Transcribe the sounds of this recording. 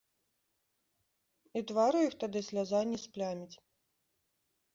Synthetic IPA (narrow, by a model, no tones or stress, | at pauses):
it̪vaɾujixt̪ad̪ɨsʲlʲazanʲisplʲamʲit͡sʲ